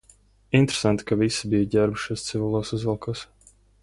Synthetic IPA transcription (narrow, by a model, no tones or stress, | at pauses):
int̪ɾe̥sant̪i̥kavisibijaɟʲæɾbʃuɔst̪sɨvʲilˠoːsuzvɛlˠkʰɔs